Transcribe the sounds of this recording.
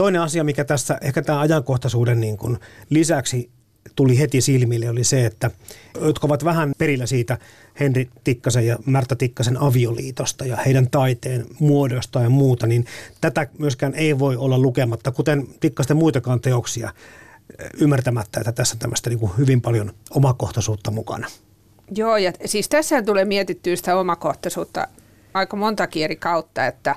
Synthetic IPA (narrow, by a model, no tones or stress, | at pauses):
t̪oineɑsiɑmikæt̪æsːæʔehkæt̪æːɑjɑŋkoht̪ɑsuːdenniːŋkunlisæksi | t̪ulihet̪isilmilːeoliseet̪ːæjot̪kɑoʋɑt̪ʋæhænperilːæsiːt̪æ | henrit̪ikːɑsejɑmært̪ːɑt̪ikːɑsenɑʋiolḭːt̪ost̪ɑjɑheidænt̪ɑit̪eːnmuodost̪ɑjɑmuːt̪ɑnint̪æt̪æmyøskæːneiʋoiolːɑlukemɑt̪ːɑkut̪ent̪ikːɑst̪emuit̪ɑkɑːnt̪eoksiɑ̰ | ymːært̪æmæt̪ːæḛt̪ːæt̪æsːænt̪æmːø̰st̪æniːŋkuhyʋimpɑljonomɑkoht̪ɑsuːt̪ːɑmukɑ̰nɑ | joːjɑsiːst̪æsːænt̪ulemiet̪it̪ːyːnsi̥t̪æomɑkoht̪ɑsuːt̪ːɑ̰ | ɑikɑmont̪ɑkierikɑut̪ːɑet̪ːæ